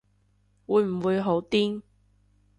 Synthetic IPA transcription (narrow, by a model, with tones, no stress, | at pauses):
wuː˨˧˥jm̩˨˩wuː˨˧jɦo˨˥wt̪iː˥ŋ